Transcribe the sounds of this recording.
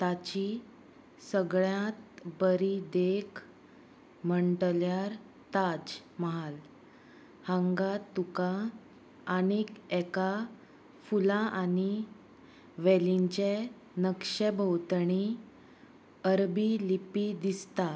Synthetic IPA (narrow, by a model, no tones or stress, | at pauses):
t̪at͡ɕi | səɡɭjãt̪bəɾid̪ekʰ | m̤əɳʈljaɾ | t̪ad͡ʑ | məɦal | hãŋɡat̪ukaː | nikɛka | fulãʔani | ʋeliɲt͡ɕe | nəkʂɛbʱəwt̪ɳ̃i | əɾbilipid̪ist̪a